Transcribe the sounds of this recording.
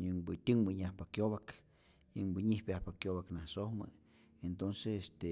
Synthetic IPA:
ɲɨŋbɨt̪ʲɨŋbɨɲahpakjoβak | ɲɨŋbɨɲihpʲjahpakjoβaknahsohmɨ̰ | ent̪onsesest̪e

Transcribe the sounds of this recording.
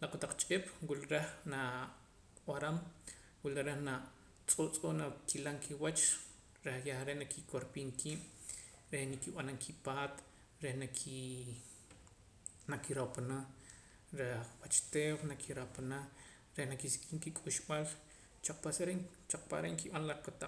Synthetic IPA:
laqʼot̪aq͡χt͡ʃʼeɓ̥wilɾexna | waɾam | wilaɾehna | t͡sʼot͡sʼonakʰilaŋkʰiwat͡ʃ | ɾehjahaɾeʔnakikʰoɾpiːŋkʰiːɓ̥ɾehnakiɓanaŋkʰipaːt̪ | ɾehnaki | nakiɾapana | ɾewat͡ʃt̪eːwnakʰiɾapana | ɾehnakisi̥kʼiŋkikʼuʃɓal | t͡ʃaq͡χ̚pasaɾeŋt͡ʃaq͡χ̚pa̰ɾeŋkiɓanlaχpat̪a

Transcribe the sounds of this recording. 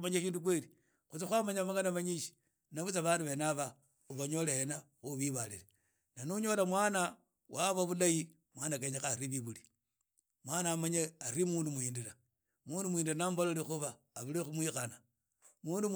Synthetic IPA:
maɲeʃiːnduk̬weli | xut͡sixwamaɲamaŋɡanamaɲiʃi̥ | naβut͡saβaːnduβenaβa | uβaɲo̞leena | xuβiβalile | nanuɲo̞lamwaːna | waβaβulaji | mwanakeɲexaɾiβiβuli | mwanaːmaɲeaɾimuːndumuiːndiɾa | muːndumuiːndiɾanambalolixuβaː | βulexumwixana | muːndum

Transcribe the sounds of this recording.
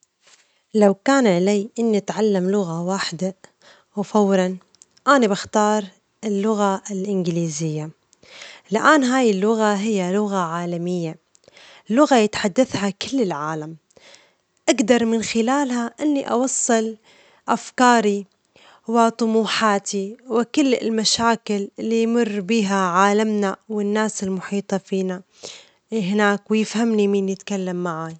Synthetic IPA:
lawkaːnʕalaːʔɪnːiat̪ʕalːamlʊɣawaːħɪd̪a | wfawɾˤɑn | ʔaːnibaxt̪ɑːɾˤ | ɪlːʊɣaɪlʔɪnɡɪliːzɪjːa | lʔaːnɦaːjɪlːʊɣaɦɪjːalʊɣaʕaːlamɪjːa | lːʊɣajɪt̪ħad̪ːaθhakɪlːɪlʕaːlam | ʔaɡd̪ɑɾˤmɪnxɪlaːlhaʔɪnːiʔɑ̰wɑsˤːɨl | ʔafkɑːɾi | wɪt̪ˤʊmuːħaːt̪ʰiwɪkɪlːɪ̰lmaʃaːkɪlɪlːijmʊrːbiːɦaʕaːlamnawɪnːaːsɪlmʊħiːt̪ˤɑfiːna | ɦɪnaːkwɪjɪfhamnimiːnjɪt̪kalːamːaʕaj

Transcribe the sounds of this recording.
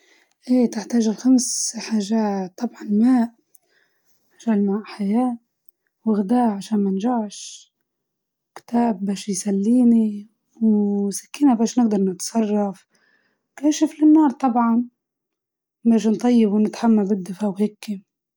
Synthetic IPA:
ʔeːt̪ɪħt̪aːʒɪlxamsħaːʒaːˤɑbʕɑnmaːʔ | ħaʒaːlmaːʔħajaːʔ | wɪɣd̪aːʕaʃaːnmanʒaʕʃ | kt̪aːbːaːʃjsalːiːni | wsḁkːiːnabaːʃnɪɡ̚d̪ɑɾˤnɪt̪sˤɑrˤːɑf | kaːʃɪflɪnːɑːɾˤt̪ˤɑbʕɑn | baːʃnt̪ˤɑjːɪbwnɪt̪ħamːabɪd̪ːɪfawheːkːi

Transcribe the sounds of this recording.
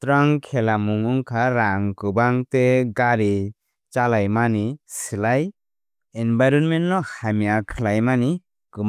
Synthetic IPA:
tɾaŋkʰɛlamuŋuŋkʰaɾaŋkɯbaŋteɡaɾi | t͡ʃalajmanisilaj | enbajɾɔnmennɔhamijakʰɯlajmani | kɯm

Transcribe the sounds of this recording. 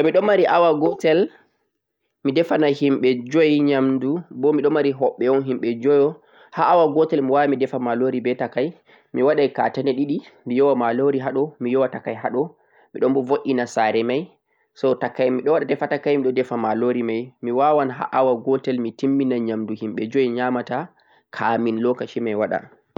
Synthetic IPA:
tɔmiɗɔmaɾiʔawaɡɔtɛl | midɛfanahimɓɛd͡ʒɔjɲamdubɔmiɗɔmaɾiɦɔɓːɛɔnɦimɓɛd͡ʒɔjɔ | haʔːwaɡɔtɛlmiwamidɛfamaloɾibɛtakaj | miwaɗajka̰tanɛɗiɗimijɔwamaloɾiɦaɗɔmijɔwatakːajɦaɗɔ | miɗɔmbɔvoʔinasaɾɛmaj | sɔtakːajmiɗɔwaɗadɛfatakːajmiɗɔdɛfamaloɾimajmiwawanɦa̰ʔawaɡɔtɛlmitimːinaɲamduhimɓɛd͡ʒojɲamata | kʰaminlɔkat͡ʃimajwaɗa̰

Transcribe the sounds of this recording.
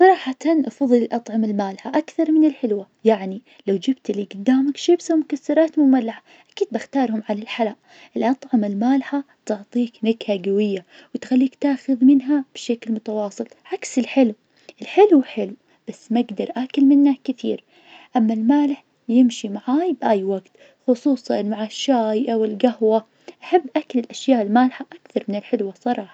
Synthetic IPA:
sˤɑɾˤɑːħat̪anʔɑfɑðˤɨlɪlʔɑt̪ˤʕɑmalmaːlħaʔakθɑɾˤmɪnɪlħɪlwa | jaʕni | lawd͡ʒɪbt̪liɡʊd̪ːaːmakʃɪbsawmʊkasːɑɾˤɑːt̪mʊmalːaħa | ʔakiːd̪̚baxt̪ɑːɾˤhʊmʕalalħalaːʔ | ʔɪlʔɑt̪ˤʕɑmalmaːlħa | t̪ʊʕt̪ˤiːknaɡhaɡawɪjːawɪt̪xalːiːkt̪aːxʊðmɪnɦab̥ʃaklmʊt̪awɑːsˤɨlʕaksɪlħɪlw | ʔɪlħɪlwħɪlw | b̥asːmaɡd̪ɑɾˤʔakɪlmɪnːakɪθḭːɾ | ʔamːalmaːlɪħ | jɪmʃimaʕaːjbʔaːjwaɡt̪ | xʊsˤuːsˤɑnmaʕaʃːaːjʔawɪlɡahwa | ʔaħabːʔaklɪlʔaʃjaːʔɪlmaːlħaʔakθɑɾˤmɪnɪlħɪlwasˤɑɾˤɑːħɑ̥

